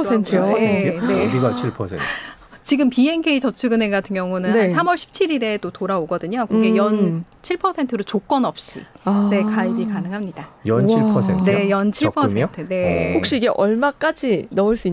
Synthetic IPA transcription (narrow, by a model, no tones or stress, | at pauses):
entʰenne̞iɡat͡ɕʰiɭpʰʌsʰḛt | t͡ɕiɡɯmpie̞nkʰe̞it͡ɕʌt͡ɕʰɯɡɯne̞ɡatʰɯŋjʌŋunɯnsʰamʌɭɕʰi̥p̚t͡ɕʰiɾiɾe̞t͈otoɾaoɡʌdɯɲokuɡejʌn | t͡ɕʰiɭpʰʌsʰe̞ntʰɯɾot͡ɕok͈wʌnʌp̚ɕ͈ḭne̞kaibikanɯŋɦamɲidajʌnt͡ɕʰipʰʌsʰetʰnejʌnt͡ɕʰiɭpʰʌsʰmeotʰɯne̞hok̚ɕ͈iːɡe̞ʔʌɭmak͈ad͡ʑinʌɯɭs͈ui